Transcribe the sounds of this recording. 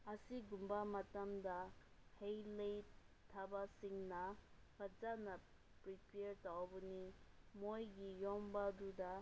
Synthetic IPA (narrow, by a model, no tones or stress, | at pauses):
ɐsiɡumbamɐtamdahejlejtʰabasiŋnɐpʰɐd͡ʒanɐ | pɾipeɾtawbunimojɡijɔmbaduda